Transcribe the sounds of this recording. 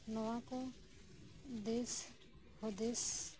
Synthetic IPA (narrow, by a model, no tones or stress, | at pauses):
nəʋãkõ | d̪eːs | hod̪eːs